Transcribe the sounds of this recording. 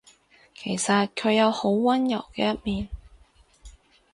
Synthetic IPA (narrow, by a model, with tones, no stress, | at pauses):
kʰe˨˩jsɐ˨t̚kʰɵ˨˧ɥjɐ˨˧who˨˥wːɐ˥njɐ˨˩wkɛː˧jɐ˥t̚miː˨n